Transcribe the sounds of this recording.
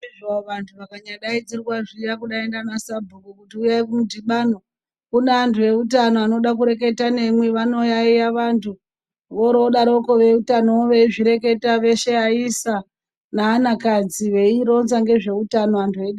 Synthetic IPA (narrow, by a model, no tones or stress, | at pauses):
aʋantʰuʋakaɲaɗaid͡zirwaʐijakuɗaendanasabʱukukutiujaikumudʱiɓano | kuneantuʋe̞utano̞ano̞ɗak̬uɾe̞ke̞tane̞mweʋano̞jaijaʋantʰu | ʋoɾoɗaɾo̞ko̞ʋe̞utanooʋe̞iʐiɾe̞ke̞taʋe̞ʃe̞aisa | naːnakad͡ziʋe̞iɾo̞nzaŋɡe̞ʐe̞utano̞antʰue̞ɗa